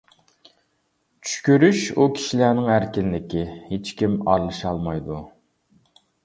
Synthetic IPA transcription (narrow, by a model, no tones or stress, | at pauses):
t͡ʃʰy̥ʃkʲyɾyʃukʲʰi̥ʃilænɪŋæɾkʲinlɪkʲɪhet͡ʃkʲimɑɾlˠɨʃɑlˠmɑjd̪u